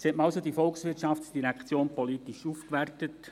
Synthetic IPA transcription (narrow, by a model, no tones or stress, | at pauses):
setməɑʊsod̪ifɔlksʋɪɾtʃɑftsd̥iɾækχt͡sjoːnpɔlitiʃufkʋærtət